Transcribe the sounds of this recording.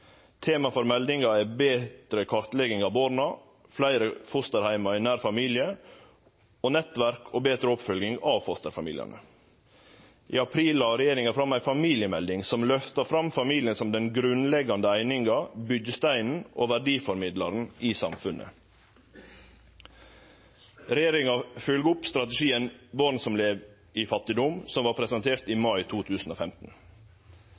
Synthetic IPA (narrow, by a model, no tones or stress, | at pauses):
t̪ʰeːmɑfɔɾmɛld̪ɪŋɑɛbeːt̪ɾəkʰɑɾt̪lɛɡɪŋɑʋboːɾnɑ | flæɪɾəfʊst̪əɾhæɪmɑɪnæːɾfɑmiːlɪə | oːnɛt̪ʋæɾkʰoːbeːt̪ɾəɔpfœlɡɪŋɑʋfɔst̪əɾfɑmḭːlɪɑ̰nə̰ | ʔḭːɑpʰɾiːlɑɾɛjeːɾɪŋɡɑfɾɑmæɪfɑmiːlɪəmɛld̪ɪŋsɔmlœft̪ɑɾfɾɑmfɑmiːlɪənsɔmd̪ɛnɡɾʉnlɛɡɑnd̪əæɪnɪŋɡɑbʏd͡ʒəst̪æɪnn̩ʔo̰ːʋæɖiːfɔɾmɪd̪lɑɾn̩ʔiːsɑmfʉnʔə̰ | ɾɛjeːɾɪŋɑfʉlɡʊpst̪ɾɑt̪ɛʂiːənbɔɾnsɔmleːʋ | ifɑt̪ːɪd̪ʊmsɔmʋɑːɾpʰɾɛsɛnt̪ʰeːɾt̪iːmɑɪt̪ʰuːt̪ʰʉːsn̩oːfɛmt̪n̩